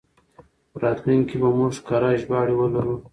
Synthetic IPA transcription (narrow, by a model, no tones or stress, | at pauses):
pəɾɑːt̪nuŋkibamʊʐkaɾɑʒbɑːɽiwəlaɾu